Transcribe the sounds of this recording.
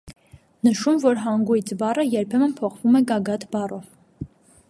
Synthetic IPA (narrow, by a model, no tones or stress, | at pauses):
nəʃumvɔɾɦɑŋɡujt͡sʰbɑrəjɛɾpʰɛmənpʰɔχvumɛɡɑɡɑt̪ʰbɑrɔv